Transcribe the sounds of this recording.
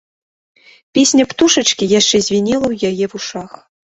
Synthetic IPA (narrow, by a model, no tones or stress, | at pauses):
pʲesʲnʲɐpt̪uʂɐt͡ʂkʲijaʂt͡ʂɛzʲvʲinʲɛlˠɐwjajɛvuʂax